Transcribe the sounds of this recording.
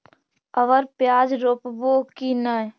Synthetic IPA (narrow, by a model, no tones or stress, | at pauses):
əʋəɾpjaːd͡ʒɾoːpboːkinə